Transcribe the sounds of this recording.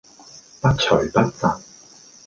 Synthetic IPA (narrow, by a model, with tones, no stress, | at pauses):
pɐ˥t̚t͡ʃʰɵ˨˩jpɐ˥t̚sa˨k̚